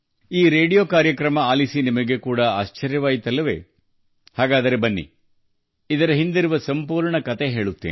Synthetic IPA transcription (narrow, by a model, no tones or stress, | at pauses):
iːɾe̞ːɖijoːkaːɾjɐkɾɐmɐaːlisinimɐɡe̞kuːɽɐaːʃt͡ʃɐɾjɐʋaːjit̪ɐlːɐʋe̞̰ː | haːɡaːd̪ɐɾe̞bɐnːḭ | id̪ɐɾɐɦind̪iɾuʋɐsɐmpuːɾɳɐkɐt̪eɦe̞ːɭut̪ːḛːn